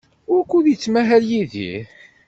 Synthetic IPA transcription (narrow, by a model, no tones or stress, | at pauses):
ʊɾkːuðjit͡sːmæɦæljiðḭ